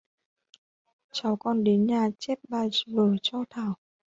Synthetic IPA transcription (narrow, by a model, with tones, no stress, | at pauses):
t͡ɕa˨˦wkɔ˧nɗe˨˦nɲaː˨˩t͡ɕɛ˦˥p̚ɓaː˧svəː˧˩t͡ɕɔ˧t̪ʰaː˧˩w